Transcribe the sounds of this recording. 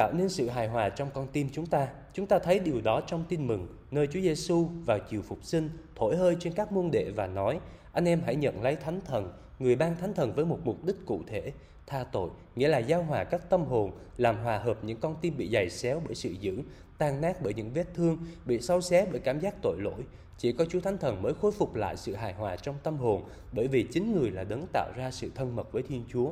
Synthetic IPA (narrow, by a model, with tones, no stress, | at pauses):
t̪a̰ː˧˨wne˧nsɨ̰˧˨ɦaː˨˩jɦwaː˨˩t͡ɕɔ˧wŋ͡mkɔ˧nt̪i˧mt͡ɕʊ˨˦ŋ͡mt̪aː˧ | t͡ɕʊ˨˦ŋ͡mt̪aː˧t̪ʰə˨˦jɗi˨˩əwɗɔ˨˦t͡ɕɔ˧wŋ͡mt̪i˧nmɨ˨˩ŋ | nəː˧jt͡ɕu˨˦əze˧su˧vaː˨˩wt͡ɕi˨˩əwfʊ˨˩k͡p̚sï˧ŋ̟t̪ʰo˧˩˨jhəː˧jt͡ɕe˧nkaː˦˥k̚mu˧ənɗḛ˧˨vaː˨˩nɔ˨˦jʔa˧jŋ̟ʔɛ˧mɦa̰˧˥˨jɲə̰˧˨nlə˨˦jt̪ʰa˨˦jŋ̟t̪ʰə˨˩n | ŋɨ˨˩əjɓaː˧nt̪ʰa˨˦jŋ̟t̪ʰə˨˩nvəː˨˦jmʊ˨˩t̚mʊ˨˩k͡p̚ɗï˦˥k̟̚kṵ˧˨t̪ʰe˧˩˨ | t̪ʰaː˧t̪o̰˧˨j | ŋḭ˧˥əlaː˨˩zaː˧wɦwaː˨˩kaː˦˥k̚t̪ə˧mɦo˨˩n | laː˨˩mɦwaː˨˩həː˨˩p̚ɲɨ̰˧˥ŋkɔ˧nt̪i˧nɓḭ˧˨za˨˩jsɛ˨˦wɓəː˧˩jsɨ̰˧˨zɨ̰˧˥ | t̪aː˧˩ŋnaː˦˥t̚ɓəː˧˩jɲɨ̰˧˥ŋve˦˥t̚t̪ʰɨ˧əŋɓḭ˧˨sa˧wsɛ˨˦˥ɓəː˧˩˨jkaː˧˩mzaː˦˥k̚t̪o̰˧˨jlo̰˧˥j | t͡ɕi˧˩kɔ˨˦t͡ɕu˨˦t̪ʰa˨˦ŋ̟t̪ʰə˨˩nməː˨˦jxo˧jfʊ˨˩k͡p̚la̰ː˧˨jsɨ̰˧˨ɦaː˨˩jɦwaː˨˩t͡ɕɔ˧wŋ͡mt̪ə˧mɦo˨˩n | ɓəː˧˩jvi˨˩t͡ɕï˨˦ŋ̟ŋɨ˨˩əjlaː˨˩ɗə˨˦nŋt̪a̰ː˧˨wzaː˧sɨ̰˧˨t̪ʰə˧nmə˨˩t̚vəː˨˦jt̪ʰi˧ənt͡ɕu˨˦ə